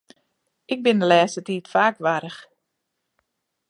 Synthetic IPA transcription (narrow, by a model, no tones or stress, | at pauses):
ɪk̚bɪndəlɛːstətiːtfaːkʋaɾəx